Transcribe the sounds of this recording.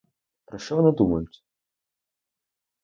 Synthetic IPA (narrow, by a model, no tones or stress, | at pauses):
pɾɐʃt͡ʃɔvɐnad̪umɐjʊtʲ